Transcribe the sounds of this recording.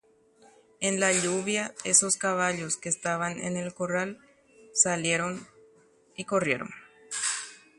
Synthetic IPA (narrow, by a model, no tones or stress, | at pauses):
enlaʎuβjae̞so̞skaβaʎoskeːst̪aβanḛnelko̞ral | salje̞ɾo̞n | iko̞rje̞ɾo̞̰n